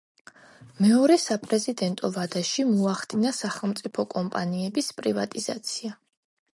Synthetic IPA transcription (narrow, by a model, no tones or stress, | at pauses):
mɛɔɾɛsapʼɾɛzid̪ɛnt̪ʼɔvad̪aʃimuaχd̪inasaχɛlˠmt̪sʼipʰɔkʼɔmpʼaniɛbispʼɾivat̪ʼiz̥a̰t̪sʰia